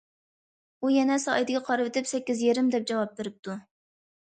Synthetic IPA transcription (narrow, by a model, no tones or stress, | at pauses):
ujɛnɛsɑjd̪ɪɡʲɛqʰɑɾɨvɪt̪ʰɪpsɛkʲːizjeɾɪmd̪ɛp̚d͡ʒɑwɑp̚beɾɪp̚t̪ʰu